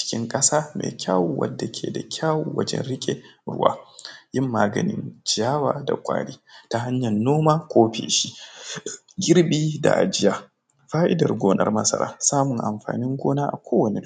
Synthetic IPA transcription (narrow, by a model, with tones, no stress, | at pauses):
t͡ʃɪ̥˦kʲɪ˦ŋkʼɐ˦saː˦mḛː˨kʲʰaː˦wʊ˨wɐ̰˦dːa˨kʲʰḛː˨da˨kʲʰaː˦wo˨wɐ˦d͡ʒɛ̰˦nɽɪ˦kʲʼe˨ɾʊ̰˦wa̰ː˦jɪ˦mːaː˦ɡɐ˨nɪ˦nd͡ʒaː˦waː˨da̰˨kʷʼa̰ː˦ɽiː˦ta˨ɦa˦ɲjɐ˨nːoː˦maː˦kʷoː˦ɸḛː˨ʃi˦ | ɡʲɪ˦ɾbiː˦da̰˨ʔa˨d͡ʒɪ˦jaː˨ | ɸaː˦ʔɪ˦dɐ˨rɡʷoː˦nʔɐ̰˦rmɐ˦sɐ̰˦ɾaː˦saː˦mʊ˨ŋʔa˨mɸaː˨nɪ˦ŋɡʷoː˦naː˦ʔa˨kʷoː˦wɐ˨ne˨